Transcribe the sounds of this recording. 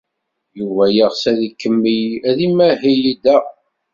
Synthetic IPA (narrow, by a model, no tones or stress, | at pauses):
juvæjəʁsæðikːəmːijæðimæɦijid̪æ